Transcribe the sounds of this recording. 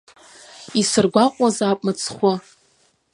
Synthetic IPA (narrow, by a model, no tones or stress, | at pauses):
isɨrɡʷaqʷʼazapʼmɨt͡sʰχʷa